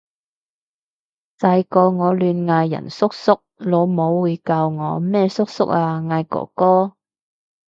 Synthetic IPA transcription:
t͡sɐ˧jkɔː˧ŋɔː˨˧lyː˨˧nŋaː˧jːɐ̰˨˩nsʊ˥k̚sʊ˥k̚loː˨˧mo˨˧wːuː˨˧jkaː˧wŋɔː˨˧mɛː˥sʊ˥k̚sʊ˥k̚aː˧ŋaː˧jkɔ̰ː˨˩kɔː˥

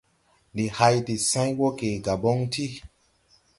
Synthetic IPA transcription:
ndi˨ha˧jti˨sã˦jwɔ˦ke˨ɡa˨bɔ˦ŋti˦

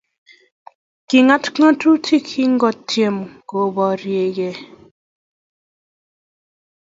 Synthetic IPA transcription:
ki˨ŋa˦tkã˦tʰu˦tʰi˦kʰi˦ŋ˦ɡɔ˦˨tʰːje˨m˨ko˨bɔ˨ɾje˨ɡe˨

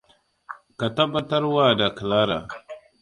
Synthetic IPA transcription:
ka˨ta˦ba˦ta˦ɾwa˦˨da˨kə˨la˦ɾa̰˨

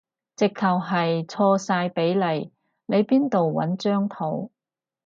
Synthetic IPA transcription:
t͡sɪ˨kʰːɐ˨wɦɐ˨jt͡sʰɔː˧saː˧jpe˨˥jlɐ˨j | ne˨˧jpiː˥nt̪o˨wwɐ̰˨˥nt͡ʃœː˥ŋt̪ʰo˨˥w

